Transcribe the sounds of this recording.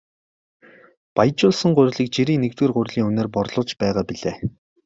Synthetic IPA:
pajt͡ɕʊːɮsə̆ŋɢʊ̟ɾ̆ʲɮiːk̚t͡ɕeɾiːŋnekt̪weːrɢʊ̟rʲɮiːŋɵneːrpɔrɮʊ̆t͡ɕpæːʁaːpiɮeː

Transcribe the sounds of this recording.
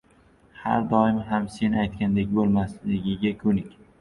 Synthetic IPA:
ha̰ɾd̪ɒɪmɪɦamse̞nɪajt̪̚kʲand̪ekʲbolˠmaslɪɡʲɪɡʲakʲʰʊnɪkʲ

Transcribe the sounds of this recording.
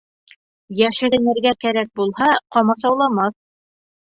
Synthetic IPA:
jæʃɘ̆ɾɘ̆nɘ̆ɾɡækæɾæk̚bulˠhɑqɒmɑsɑwlˠɑmɑθ

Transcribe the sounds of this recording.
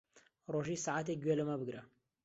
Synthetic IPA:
roʒisaʕaːt̪̬eɡʷɥɛlɐmɐbɨɡɾɐ

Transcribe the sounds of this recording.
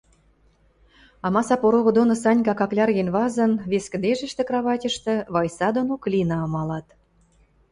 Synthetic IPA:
ɑmɑsɑpoɾoɣŏd̪onosɑnʲkɑkɑklʲɑrɣenβɑzə̆nβeskə̆d̪eʒə̆ʃt̪ĕkrɑβɑtʲə̆ʃt̪ĕβɑjsɑd̪onoklʲinɑɤmɑlɑt̪

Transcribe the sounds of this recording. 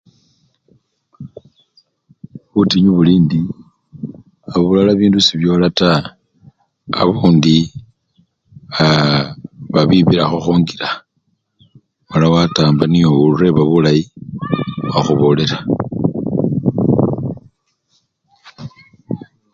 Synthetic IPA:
βutiɲuβuliːndi | aβulalaβiːndusiβjo̞ːlata | βuːndi | a | βaβiβiɾaxoxoːŋɡiɾa | malawataːmbanioure̞βaβulaji | axuβo̞le̞ɾa

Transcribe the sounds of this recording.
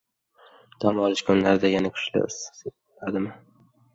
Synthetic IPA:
d̪̥amwɒlɪʃkʰʊnlaɾɪd̪ajanakʲʰʊ̥ʃlɪ̰s | ad̪ɪmɪ

